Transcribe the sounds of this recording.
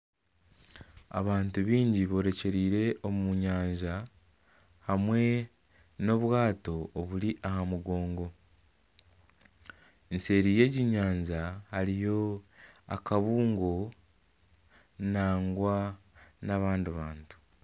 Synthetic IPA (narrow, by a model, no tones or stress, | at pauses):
a̰βaːntuβiːɲɟiβo̞ɾe̞ce̞ɾiːɾe̞ʔo̞mumuɲaːɲʒa | hamwe̞ | no̞βwaːto̞ːβuɾiʔahamuɡo̞ːŋɡo̞ | ense̞ːɾiːje̞ːɟiɲaːɲzahaɾijo̞akaβuːŋɡo̞ | naːŋɡwa | naβaːndiβaːntu̥